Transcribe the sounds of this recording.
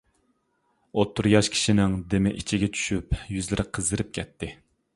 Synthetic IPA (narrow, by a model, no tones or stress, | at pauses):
ot̪ʰːuɾjɑʃkʲʰi̥ʃinɪŋd̪emɪʔit͡ʃʰiɡʲɛt͡ʃʰy̥ʃypjyzlɪɾʔɪqʰəzd̪ɨɾɪp̚kʲʰɛt̪ʰːɪ